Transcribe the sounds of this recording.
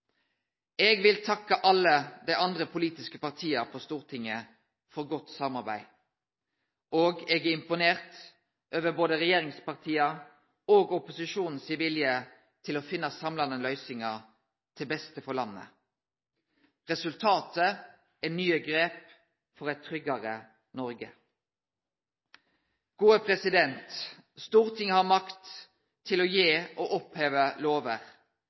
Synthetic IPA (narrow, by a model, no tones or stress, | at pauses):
ɛːɡʋɪlt̪ʰɑkːəʔɑlːəd̪æɪʔɑnd̪ʁəpʰʊliːt̪ɪskəpɑʁt̪ʰiːəʁpʰost̪uːʁt̪ʰɪŋːə | fɔʁɡɔt̪sɑmɑʁbæ̰ɪ | oːɡɛɡæɪmpʊneːʁt̪ | ʔøːʋəboːd̪əʁɛjeːʁɪŋspɑʁt̪ʰiːɑ | oːɡʊpʊsɪʃuːnn̩sɪʋɪljə | t̪ʰɪlɔfɪnːɑsɑmlɑnəlœʏsɪŋɑʁ | t̪ʰɪlbɛst̪əfɔlɑnːə̰ | ʁɛsʉlt̪ʰɑːt̪ə | ɛnyːəɡʁeːp | fɔʁɛt̪ʰːʁʏɡɑʁə | nɔɾɡə̰ | ɡ̥uːəpʰʁɛsɪd̪ɛnt̪ | st̪uːʁt̪ʰɪŋːəhɑmɑkt̪ʰː | ɪlɔjeːʔoʔɔpheːʋəloːʋəʁ